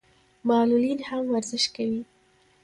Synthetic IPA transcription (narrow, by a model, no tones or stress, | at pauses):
mɑlulinhamwaɾzɪʃkawi